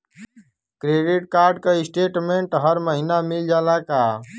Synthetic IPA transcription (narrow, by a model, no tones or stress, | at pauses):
kɾeːɖiʈkaːɾɖ̚kaɪsʈeːʈmẽɳʈɦəɾməɦinamɪld͡ʒaːlakaː